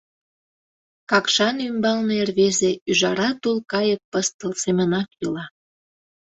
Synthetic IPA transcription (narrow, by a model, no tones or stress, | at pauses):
kɑkʃɑnymbɑlneerβezeyʒɑɾɑt̪olkɑjək̚pəst̪əlsemənɑkilɑ